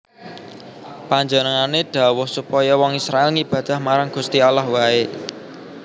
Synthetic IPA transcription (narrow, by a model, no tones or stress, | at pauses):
paɲd͡ʒənəŋaneɖ̥ä̤wʊhsupɔjɔwɔŋisɾaelŋib̥ä̤d̪̥a̤hmaɾaŋɡ̥ṳst̪ialahwae